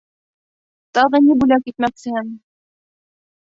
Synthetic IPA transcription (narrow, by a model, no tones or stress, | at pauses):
t̪ɑʁɤnibʉlæwkit̪̚mæksɘæm